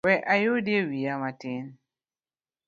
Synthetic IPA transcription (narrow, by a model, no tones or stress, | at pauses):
wɛʔajodjewijamatɪn